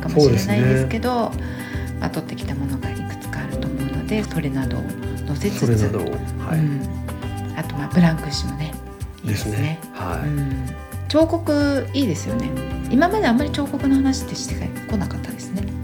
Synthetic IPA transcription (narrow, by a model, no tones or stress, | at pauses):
kamooɕːiɾenaid̪esɨ̥ke̞d̪o̞ | a̰t̪o̞t̪ːe̞kʲi̥t̪amo̞no̞ɡaikɯ̟̥t͡sɨ̥kaːɾɯ̟t̪o̞mo̞ɯnod̪e̞so̞ɾe̞nad̪o̞̰nose̞t͡sɨɾeɨd̪o̰haɯ̟̃ɴ | at̪o̞maːbɯ̟ɾãŋkɯ̟ɕimo̞ne̞ | id̪esnene | haɯ̟̃ːɴ | t͡ɕo̞ːko̞kɯ̟iːd̪e̞sɨjo̞ne̞imamad̪e̞amːaɾʲit͡ɕo̞ːko̞kɯ̟no̞hanaɕi̥t̪ːeɕi̥t̪ekako̞nakat̪ːad̪e̞sɨne̞